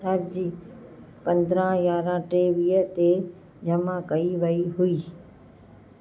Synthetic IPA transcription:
əɾd͡ʑiː | pɐ̃nd̪ɾãjaːɾãʈeːʋiːət̪e | d͡ʑɐmakɐiʋɐiɦuiː

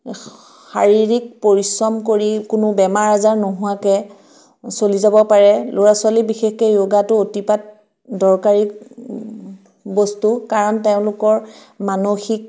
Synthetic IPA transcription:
xaɹiɹik̚poɹisɹɔmkoɹikʊnʊbɛmaɹazaɹnoɦʊwakɛ | solizabɔpaɹɛlʊɹaswalibixexkɔjoɡatʊotipat̚ | dɔɹkaɹik | bɔstukaɹɔnteʊ̃lʊkɔɹ | manoxik̚

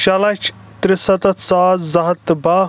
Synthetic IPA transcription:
ʃɐlɐt͡ʃʰ | t̪ɾɪsɐt̪ɐt̪saːzzɐɦɐt̪ːbaː

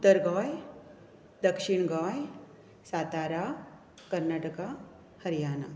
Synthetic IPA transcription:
ut̪ːəɾɡɔj | d̪əkʂiɳ̃ɡɔj | sat̪aːɾa | kəɾnaːʈəka | həɾijaːna

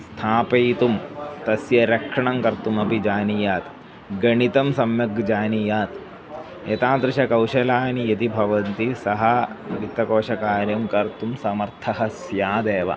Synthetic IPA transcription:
st̪ʰaːpɐjt̪umt̪ɐsjɐɾɐkʂɐɳɐmkɐɾt̪umɐpid͡ʒaːnijaːt̪ | ɡɐɳit̪ɐmsɐmjɐɡd͡ʒaːnijaːt̪ | et̪ãːnt̪ɾɐʃɐkɐwʃɐlaːnijɐt̪ibʱɐʋɐnt̪isɐɦɐɡit̪ːɐkoːʃɐkaːɾjɐmkɐɾt̪umsɐmɐɾt̪ʰɐɦɐsjaːd̪eːʋɐ̰

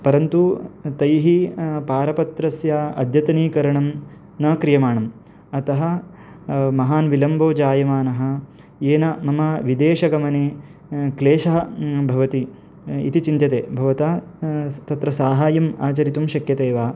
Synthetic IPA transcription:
pɐɾɐnt̪ut̪ɐjɦipaːɾɐpɐt̪ɾɐsjɐɐd̪ʱjɐt̪ɐniːkɐɾɐɳɐm | nɐːkɾijɐmaːɳɐm | ɐt̪ɐɦɐ̆ | mɐɦaːnʋilɐmboːd͡ʒaːjɐmaːnɐɦɐ̆ | eːnɐmɐmɐʋid̪eːʃɐɡɐmɐneːkleːʃɐɦɐbʱɐʋɐt̪i | ḭt̪it͡ʃint̪ɐt̪eːbʱɐʋɐt̪aːt̪ɐt̪ɾɐsaːɦaːjɐmaːt͡ʃɐɾit̪umʃɐkjɐt̪eːʋaː

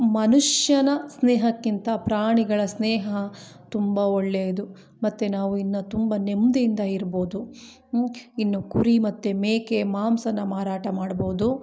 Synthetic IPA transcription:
mɐnuʂjɐnɐsneːɦɐkːint̪ɐpɾaːɳiɡɐɭɐsneːɦɐt̪umbɐoɭːeːd̪u | mɐt̪ːenaːʋuinːut̪umbɐnemd̪ejind̪ɐiɾbo̞ːd̪u | inːukuɾimɐt̪ːemeːkemaːmsɐnːɐmaːɾaːʈɐmaːɽbo̞ːd̪u

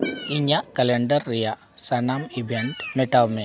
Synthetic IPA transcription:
iɲakɐleɳɖɐrːija | sɐnaːmibʱeɳʈmeʈawme

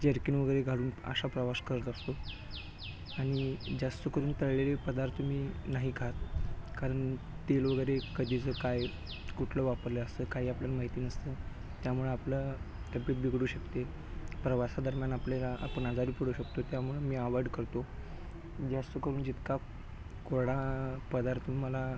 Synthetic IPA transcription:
d͡ʑeɾkinʋəɡəjɾeɡʱaluːnə̰ɕapɾəʋaskəɾət̪ast̪o | aɽ̃id͡ʑast̪əkəɾuːnt̪əɭɭelepəd̪aɾt̪ʰəmiːnaɦiːkaɦat̪kaɾəɳ | t̪elʋəɡəjɾekəd̪ʱit͡səkaj | kuʈʰləʋapəɾləəst̪əːkaɦiːapljalamaɦit̪iːnəst̪əː | t̪jamuɭeaplat̪əpiʈbiɡɽuːɕəkt̪e | pɾəʋasad̪əɾmjanaplelaʔa̰pəɳad͡zaɾiːpəɽ̤uːɕəkt̪ot̪jamuɭemiːaʋəɖkəɾt̪o | d͡ʑast̪əkəɾuːnd͡ʑit̪ka | koɾɽapəd̪aɾt̪ʰməla

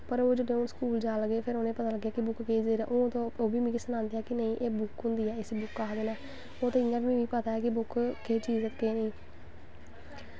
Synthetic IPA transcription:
pəɾoːd͡ʒɪɖẽːʊnskuːld͡ʒaːləɡeːpʰɪɾoːnẽːpət̪aːləɡːjaːkɪbʊkkeːd͡ʒ̪eːɾa̰ːʔoːt̪õːoːbiːmĩːkɪsənãːnd̪ejaːkɪnəĩːʔeːbʊkɦʊ̃nd̪iːɛːɪsebʊkːaːd̪eːnɛː | oːt̪ẽɪnːãːbĩːʋĩːpət̪aːɛːkɪbʊkkeːt͡ʃiːzẽːt̪keːnəĩː

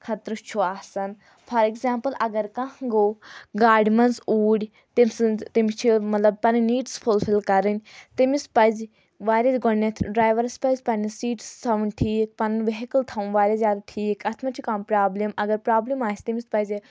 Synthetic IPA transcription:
kʰɐt̪ɾɨt͡ʃʰuaːsɐn | fʰɐɾikzaːmpəlɐɡɐɾkɐ̃ɦɡoɡaːɖmɐnsuːɽʲ | t̪imst̪imit͡ʃʰimɐt̪lɐb̚pɐniniːʈsfʰulfʰilkɐɾɨnʲt̪imispɐz | ʋaːɾʲaːzɡonːet̪ʰɖɾaːjʋɐɾspɐzʲpɐnisiːʈsːɐʋunʈʰiːk̚pɐnʋeɦikəlt̪ʰɐũʋaːɾʲaːzjaːd̪aʈʰiːkɐt̪ʰmɐt͡ʃʰikampɾaːblimɐɡɐɾpɾaːblimaːsʲt̪imispɐzʲe

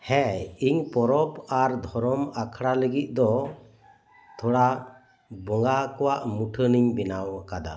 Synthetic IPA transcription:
hɛiɲpɔɾɔpaɾd̪ʱɔɾɔmakʰɽaləɡit̪̚ˀd̪ɔ | t̪ʰɔɽa | bɔŋɡakɔwaʔmuʈʰəniɲbinawaʔkad̪a̰

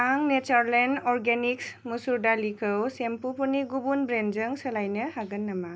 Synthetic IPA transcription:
aŋnet͡ʃaɾlenɔɾɡeniksmusuɾdalikʰɯwsempupuniɡubunbɾenzəŋsəlajnɯhaɡənːama

